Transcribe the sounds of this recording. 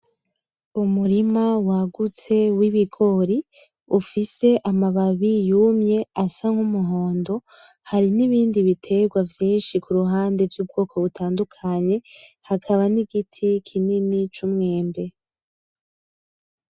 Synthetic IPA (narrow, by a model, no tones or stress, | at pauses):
umuɾimawaɡut͡se̞wiβiɡo̞ɾi | ufise̞ʔamaβaβijumɲe̞asaŋ̥humuɦo̞ːndo̞ | haɾiniβiːndiβitʰe̞ɡwavjiːnʃikuɾuɦaːnde̞vjub̚ɡo̞ːkʰo̞βutʰaːndukʰaɲe̞hakʰaβaniɡitʰikʰininit͡ʃumŋe̞ːmbe̞